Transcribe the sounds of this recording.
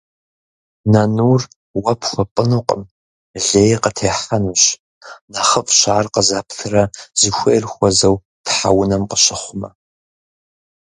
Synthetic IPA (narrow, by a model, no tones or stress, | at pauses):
nɐnuːr | wɐpʰxʷɔpʼənuqʼə̰m | ɮeːjqətʰeːħɐnuɕ | naχəfʼɕaːrqəzaːptʰɨrɐzɨxʷejrxʷɔzɐw | tħa̰wʊnɐmqəɕɪχʷʊmɐ